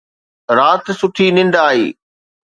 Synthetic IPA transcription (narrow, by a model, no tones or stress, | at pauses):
ɾaːt̪sʊʈʰinɪ̃nd̪aːɦḭː